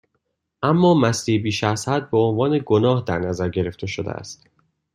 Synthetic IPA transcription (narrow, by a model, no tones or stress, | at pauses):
ʔæmːɒːmæsd̪ibiːʃæzhæd̪̚beonvɒːneɡonɒːhd̪æɾnæzæɾɟe̞ɾe̞ft̪ʰe̞ʃod̪ḛʔæ̰st̪